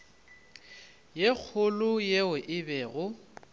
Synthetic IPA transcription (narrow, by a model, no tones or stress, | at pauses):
jek͡xʰʊlʊjeʊʔɪbɛːɣʊ